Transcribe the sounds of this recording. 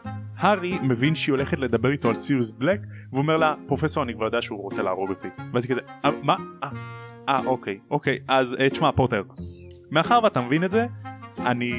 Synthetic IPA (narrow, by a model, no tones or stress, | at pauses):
haʁimevinʃeio̞le̞χet̪le̞d̪abe̞ʁit̪oalsiuzblekveome̞ʁlapʁo̞feso̞ʁanikvaʁjodeaʃeuʁo̞t͡selaːʁobotiveazikazeamaaʔaʔokejʔo̞kejʔazett͡ʃmapoteʁ | meaχaʁveat̪amevinetze̞ani